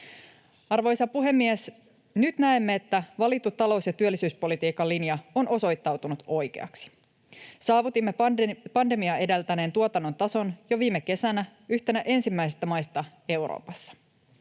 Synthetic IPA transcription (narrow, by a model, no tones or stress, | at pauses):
ɑrʋo̞jsɑpuɦe̞mːies | nyt̪næemːe̞ːt̪ːæʋɑlit̪ːut̪ːɑlo̞wsjɑt̪yølːisyːspo̞lit̪iːkɑlːinjɑonʔo̞so̞jt̪ːɑwt̪unut̪o̞jke̞̰ɑ̰ksi̥ | sɑːʋut̪imːepɑnde̞miɑe̞delt̪æne̞ːnt̪uot̪ɑnːo̞nt̪ɑso̞njo̞ʋiːmːeke̞sænæ | yht̪e̞næʔe̞nsimːæijsest̪æmɑjst̪ɑ | e̞wɾo̰ːpɑsːɑ̥